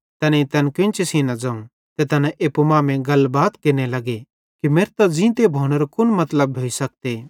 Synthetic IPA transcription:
t̪ɐnɛĩt̪ɐnkɪ̃nt͡ʃesinɐd͡zaũ | t̪et̪ɐnɛ̃ʔeːpumaːmẽɡɐlbaːt̪kɪɾnelɐɡe | kimeːɾt̪ɐd͡zĩt̪ebʱoːɽ̃əɾokʊnmɐt̪ləbːʱoːisɐk̚t̪eː

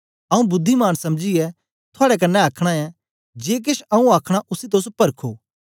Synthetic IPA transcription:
ɐũbʊd̪ʱːimaːnsɐmd͡ʒiɛ | t̪ʰoaːɽɛk̬ɐnːɛaːkʰɽ̃aɛ | d͡ʒeːk̬eʃɐũaːkʰɽ̃aʔʊsit̪̬oːspɐɾkʰoː

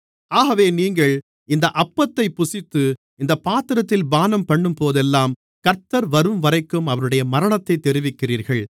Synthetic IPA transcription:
aːɣɐʋeːniːŋɡɐɭ | ɪnd̪ɐʔɐpːɐt̪ːɐɪpːʊsɪt̪ːɯ | ɪnd̪ɐpːaːt̪ɪɾɐt̪ːɪlbaːnɐmpɐɳːɯmpoːðɛlːaːm | kɐɾt̪ːɐɾʋɐɾɯmʋɐɾɐɪkːɯmɐʋɐnɯɽɐjɐmɐɾɐɳɐt̪ːɐɪt̪ːɛɾɪʋɪkːɪriːɾɣɐɭ

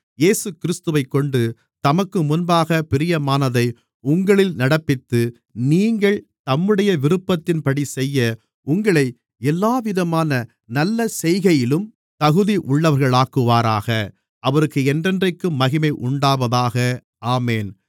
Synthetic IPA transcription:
jeːsɯkɪɾɪst̪ɯʋɐɪkːɔɳɖɯ | t̪ɐmɐkːɯmʊnbaːɣɐpɪɾɪjɐmaːnɐðɐɪ | ʊŋɡɐɭɪlnɐɽɐpːɪt̪ːɯ | niːŋɡɐɭt̪ɐmːɯɽɐjɐʋɪɾɯpːɐt̪ːɪnpɐɽisɛjːɐ | ʊŋɡɐɭɐɪ | ɛlːaːʋɪðɐmaːnɐ | nɐlːɐsɛjɣɐjɪlɯm | t̪ɐɣɯðiʔʊɭːɐʋɐɾɣɐɭaːkːɯʋaːɾaːɣɐ | ʔɐʋɐɾɯkːɯɛndrɛndrɐɪkːɯmːɐɣɪmɐɪʔʊɳɖaːʋɐðaːɣɐ | ʔaːmeːn

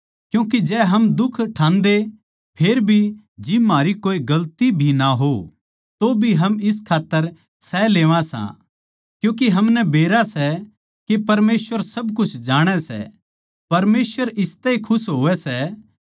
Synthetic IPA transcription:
kjũːk̬id͡ʒɛːɦɐmd̪ʊkʰʈʰãːnd̪e | pʰeːɾbʱi | d͡ʒɪmaːɾikoːiɡɐlt̪ibʱinaɦo | t̪obʱiɦɐmɪs̬kʰaːt̪ːəɾ | sɛleːʋãsã̰ | kjũːk̬iɦɐmnɛbeːɾasɛ | kepɐɾmeːsʋəɾsɐbkʊt͡ʃʰd͡ʒaːɽ̃ɛsɛ̰ | pɐɾmeːsʋəɾɪst̪ɛikʰʊsɦoːʋɛsɛ

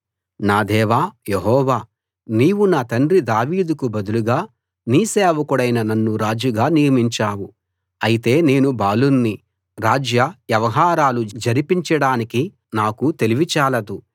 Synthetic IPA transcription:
naːd̪ɛːʋaːjeɦɔːʋaː | niːwunaːt̪ɐɳrid̪aːʋiːd̪ukubɐd̪uluɡaː | niːseːʋɐkuɽɐjnɐnɐnːuɾaːd͡ʒuɡaːnijɐmiɲt͡ʃaːwu | ɐjit̪e̞ːne̞ːnubaːlunːi | ɾaːd͡ʒjɐjɐʋɐɦaːɾaːlud͡ʒɐɾipiɲt͡ʃɐɽaːniki | naːkut̪e̞liʋit͡ʃaːlɐd̪u

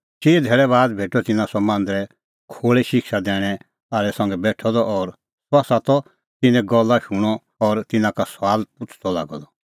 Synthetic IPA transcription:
t͡ʃiːd̪ʱɛːɭɛβaːd̪̚bʱeːʈɔt̪ɪnãsɔmãːnd̪ɾɛ | kʰoːɭɛʃɪkʃad̪ɛːɽ̃ɛ | aːlɛsɐ̃ŋɡɛbɛːʈʰɔd̪ɔʔɔɾ | sɔasat̪ɔ | t̪ɪnɛ̃ɡɔlːaʃʊɽ̃ɔ | ɔɾt̪ɪnãkasʋaːlpʊt͡sʰd̪ɔla̰ːɡɔd̪ɔ

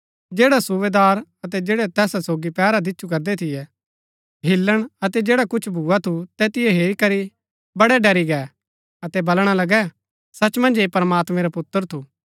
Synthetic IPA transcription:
d͡ʒeːɽasuʋeːd̪aːɾɐt̪ɛd͡ʒeːɽɛt̪ɛːsasoːɡipɛːɾad̪ɪːt͡ʃʰukɐɾd̪ɛt̪ʰɪjɛ | ɦɪlːəɽ̃ɐt̪ɛd͡ʒeːɽakʊt͡ʃʰbʱuːat̪ʰut̪ɛt̪ɪjɛɦeːɾikɐɾi | bɐɽɛɖɐɾiɡɛː | ɐt̪ɛbɐlɽ̃alɐɡɛ | sɐt͡ʃmɐ̃nd͡ʒeːpɐɾəmaːt̪mɛ̃ɾapʊt̪ːəɾt̪ʰuː

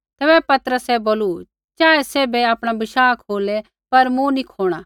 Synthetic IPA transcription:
t̪ɛːbɛpɐt̪əɾəsɛboːlu | t͡ʃaːeseːbɛaːpɽ̃abɪʃaːkʰoːlɛ | pɐɾmũnikʰoːɽ̃a

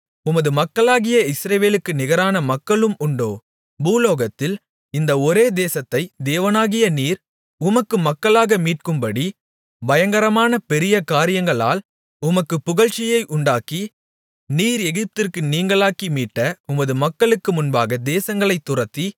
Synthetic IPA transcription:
ʊmɐðɯmɐkːɐɭaːɣɪjɐɪsɾɐʋeːlɯkːɯnɪɣɐɾaːnɐmɐkːɐɭɯmʊɳɖo̰ː | buːloːɣɐt̪ːɪl | ɪnd̪ɐɔɾeːd̪eːsɐt̪ːɐɪd̪eːʋɐnaːɣɪjɐniːɾ | ʊmɐkːɯmɐkːɐɭaːɣɐmiːʈ̚kɯmbɐɽi | bɐjɐŋɡɐɾɐmaːnɐpɛɾɪjɐkaːɾɪjɐŋɡɐɭa̰ːl | ʊmɐkːɯpːʊɣɐɻt͡ʃːɪjɐɪʔʊɳɖaːki | niːɾɛɣɪp̚t̪ɪrkɯniːŋɡɐɭaːkimiːʈːɐʊmɐðɯmɐkːɐɭɯkːɯmʊnbaːɣɐd̪eːsɐŋɡɐɭɐɪt̪ːʊrɐt̪ːi

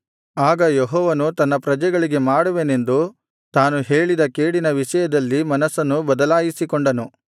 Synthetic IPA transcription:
aːɡɐjeɦɔːʋɐnut̪ɐnːɐpɾɐd͡ʒɛɡɐɭiɡe̞maːɽuʋene̞nd̪u | t̪aːnuɦe̞ːɭid̪ɐkeːɽinɐʋiʂɐjɐd̪ɐlːimɐnɐsːɐnːubɐd̪ɐlaːjisikoɳɖɐnu

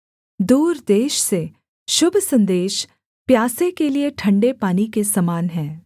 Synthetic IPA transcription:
d̪uːɾd̪eːʃse | ʃʊbʱsɐ̃nd̪eːʃ | pjaːsẽkelieʈʰɐ̃ɳɖepaːnikesɐmaːnɦɛ̃ː

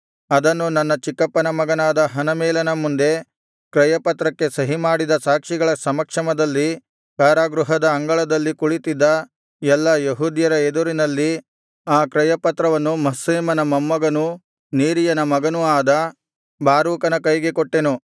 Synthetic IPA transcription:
ɐd̪ɐnːunɐnːɐt͡ʃikːɐpːɐnɐmɐɡɐnaːd̪ɐɦɐnɐmɛːlɐnɐmund̪e̞ | kɾɐjɐpɐt̪ɾɐkːe̞sɐɦimaːɽid̪ɐsaːkʂiɡɐɭɐsɐmɐkʂɐmɐd̪ɐlːi | kaːɾaːɡɾuɦɐd̪ɐːŋɡɐɭɐd̪ɐlːikuɭit̪id̪ːɐ | jɛlːɐjeɦuːd̪jɐɾɐed̪uɾinɐlːi | aːkɾɐjɐpɐt̪ɾɐʋɐnːumɐseːmɐnɐmɐmːɐɡɐnu | niːɾijɐnɐmɐɡɐnuaːd̪ɐ | bʱaːɾuːkɐnɐkɐjɡe̞koʈːe̞nu

